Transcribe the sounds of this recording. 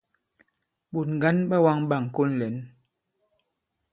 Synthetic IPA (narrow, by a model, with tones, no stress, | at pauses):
ɓu˨tŋ̩˨ɡa˦nɓa˦wa˦ŋɓa˦˨ŋ˨ko˦nlɛ˨˦n